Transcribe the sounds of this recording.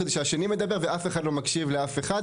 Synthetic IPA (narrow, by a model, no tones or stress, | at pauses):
d̪eʃaaʃenime̞d̪abe̞ʁve̞ʔafe̞χad̪lo̞makʃivleafe̞χad